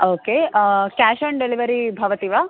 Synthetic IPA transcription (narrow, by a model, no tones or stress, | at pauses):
oːkekaːʃɐɳɖeliʋɐɾibʱɐʋɐt̪iʋa